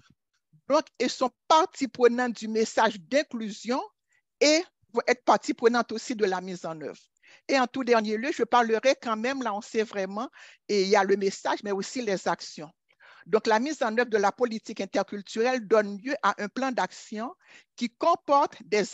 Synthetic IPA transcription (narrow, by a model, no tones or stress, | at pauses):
d̪ɔ̃kɛsɔ̃paʁt̪ipχənɑ̃t̪̚d̪ymesaʒd̪ɛ̃klyzjɔ̃ | e | vɔ̃ʔɛt̪paʁt̪ipχənɑ̃t̪osid̪əlamizɑ̃nœ̰vʁ | eɑ̃t̪ud̪ɛʁnjeljøʒəpaʁləʁɛkɑ̃mɛmlaɔ̃sɛvʁɛmɑ̃eijaləmesaʒmɛosilɛzaksjɔ̃ | d̪ɔ̃klamizɑ̃nœvʁd̪əlapolit̪ikɛ̃t̪ɛʁkʲylt̪yʁɛld̪ɔnljøʔaʔɛ̃plɑ̃d̪aksjɔ̃ | kʲikɔ̃pɔʁt̪d̪ɛ